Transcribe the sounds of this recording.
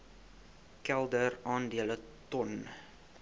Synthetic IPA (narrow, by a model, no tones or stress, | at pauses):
kɛlˠdərɑːndiələ | tɔn